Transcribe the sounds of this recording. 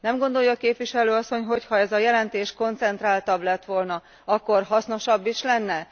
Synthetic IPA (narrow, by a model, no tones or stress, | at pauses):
nɛmɡo̞nd̪o̞jːɒːkeːpʋiʃɛløːɒsːo̞ɲɦo̞chɒɛzɒjɛlɛnt̪eːʃko̞nt̪sɛnt̪raːlt̪ɒblɛt̪ʋo̞lnɒ | ɒkːo̞rɦɒsno̞ʃɒbːiʃlɛnːɛ